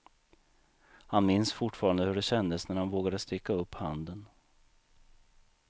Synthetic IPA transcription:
hanmɪnsfʊʈfɑːɾand̪əhɵɖɛɕɛnd̪əsnæɾhanvoːɡad̪əst̪ɪkːaɵpːhand̪ən

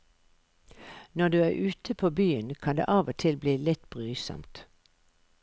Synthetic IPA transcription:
nɔd̪ʉːæːʁʉːt̪ʰəpʰoːbyːənkʰɑnd̪ḛːʔɑːʋot̪ʰɪlbliːlɪt̪b̥ʁyːsɔ̰mt̪

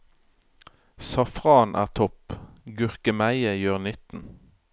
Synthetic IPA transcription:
sɑfʁɑːnʔæ̰ːʁt̪ʰɔpɡʉʁkəmæɪəjøːʁnɪt̪n̩

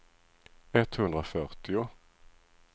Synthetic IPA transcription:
ɛt̪hɵnd̪ɾafœɾt̪ɪʊ

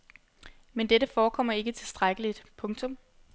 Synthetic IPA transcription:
mend̥eɾəfɒːkʰɒ̽m̰ɐe̝ɡ̥ət͡sʰe̝lsd̥ʁaɡ̥əlid̥pʰɔ̽ŋt͡sʰɔ̽m

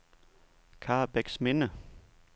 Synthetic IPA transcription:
kʰɑːb̥eɡ̥smenə

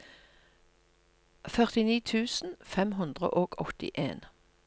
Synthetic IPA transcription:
fœʁt̪ɪniːt̪ʰʉːsn̩fɛmɦʉnd̪ʁə̰ʔoːɡ̥ɔt̪ɪ̰ʔḛːn

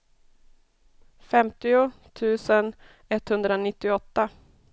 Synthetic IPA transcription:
fɛmt̪ɪʊt̪ʰʉ̟ːsən | ɛt̪ːhɵnd̪ɾaonɪt̪ːɪɔt̪ːa

